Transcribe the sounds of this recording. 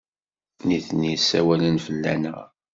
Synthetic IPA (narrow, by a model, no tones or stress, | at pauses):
niθnisːæwælənfəlːænəʁ